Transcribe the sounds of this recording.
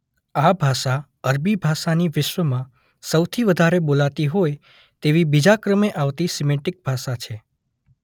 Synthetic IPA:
abʱaʃa | əɾbibʱaʃaniʋɪʃwəmã | səwt̪ʰiʋəd̪ʱaɾebolat̪iɦoj | t̪eʋibid͡ʒakɾəmeʔaʋt̪isimẽʈɪk̚bʱaʃat͡ʃʰe

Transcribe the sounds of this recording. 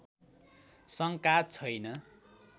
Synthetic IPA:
sʌŋkat͡sʰʌjnʌ

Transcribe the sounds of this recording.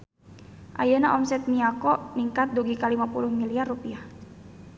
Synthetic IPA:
ʔa̰jənaʔɔmsɛt̪̚miakɔʔniŋkat̪̚duɡikalimapulʊhmiliarːupiah

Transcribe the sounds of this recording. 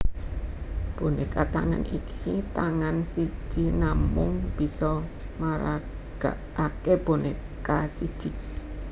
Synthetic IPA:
b̥o̤nekat̪aŋa̰nikit̪aŋansi̥ʒ̥i̤namʊŋb̥i̤sɔ | maɾa | ɡ̥a̰ʔakeb̥one | kasid̥ʒ̥i

